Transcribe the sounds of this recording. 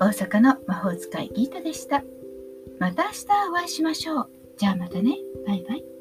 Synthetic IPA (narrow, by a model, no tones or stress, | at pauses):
o̞ːsakano̞maho̞ːzɨ̥kaḭɡʲiːt̪od̪e̞ɕi̥t̪a | mat̪aːɕi̥t̪aoβaiɕimaɕo̞ː | d͡ʑaːmat̪ane̞b̥aibai